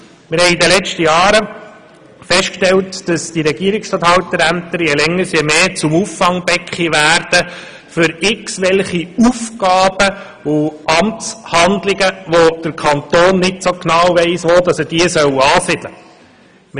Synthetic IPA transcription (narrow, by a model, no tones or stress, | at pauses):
mɪɾhɛɪidəlɛt͡ʃtəjɑːɾə | fɛʃtkʃtɛltd̥ɑsd̥iɾɛɡ̥iːəɾɪkstɑt̪hɑwt̪əɾæmt̪əɾjɛlɛŋːəsjɛmeːt͡sʊmufːɑŋbɛkχiʋæːɾd̥ə | fʏɾɪksʋɛlχiufɡ̥ɑːb̥ə | ʊʔɑmt͡shɑnd̪lɪɡəʋod̥əɾkʰɑnt̪oːnːɪtsoknɑwʋɛɪsʋoːd̪ɑsəd̥iəsœwɑːsɪd̥lə | m